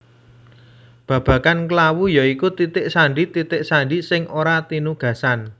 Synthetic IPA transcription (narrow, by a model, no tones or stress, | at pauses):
b̥ä̤b̥ä̤kankəlawujaikut̪it̪ɪʔsaɳɖit̪it̪ɪʔsaɳɖisɪŋoɾat̪inuɡ̥ä̤san